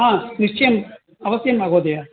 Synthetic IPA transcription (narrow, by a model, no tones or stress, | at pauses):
ɦãːniʂt͡ʃɐjɐm | ɐʋɐsjɐmaːɡod̪ɐjaː